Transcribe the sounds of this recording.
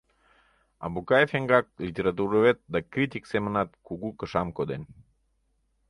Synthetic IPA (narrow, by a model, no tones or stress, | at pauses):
ɑ̰bukɑjefeŋɡɑk̚lit̪ʲeɾɑt̪̬uɾoβet̪̚d̪ɑkɾit̪ʲiksemənɑt̪̚kuɣukəʃɑmkod̪en